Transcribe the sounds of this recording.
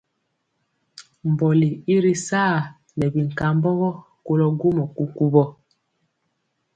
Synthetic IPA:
m˨bɔ˨li˨i˦ɾi˦sa˦˨ | nɛ˨bi˨ŋ˨ka˨mbɔ˦ɣɔ˦ | ko˦lɔ˦ɡo˦mɔ˨ku˦ku˦bɔ˦

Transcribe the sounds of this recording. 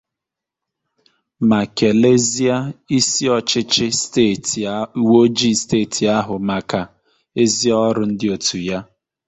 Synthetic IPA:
ma˨ke˨le˦zi˦a˦i˦si˦ɔ˦˨t͡ʃɪ˦t͡ʃɪ˦˨ | wo˦d͡ʒi˦steː˦˨tʰi˨a˦ɦʊ˨ma˨ka˨ | e˦zi˦ɔ˦ɾʊ˨˦n̩˦dɪ˦o˨tʰu˨ja˦

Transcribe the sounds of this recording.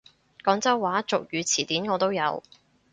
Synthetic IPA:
kɔː˨˥ŋt͡sɐ˥wːaː˨˥t͡sʊ˨k̚jyː˨˧t͡sʰiː˨˩t̪iː˨˥nŋɔː˨˧t̪o˥wjɐ̰˨˧w

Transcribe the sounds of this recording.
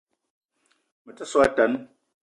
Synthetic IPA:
mə˨tə˦swta˨˦n

